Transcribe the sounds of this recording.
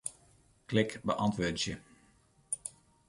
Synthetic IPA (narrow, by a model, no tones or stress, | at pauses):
klɪkbəʔɑntʋøːdəzjə